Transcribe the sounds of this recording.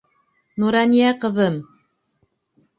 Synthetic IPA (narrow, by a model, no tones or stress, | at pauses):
nuɾɑnijæqɤ̆ðɤm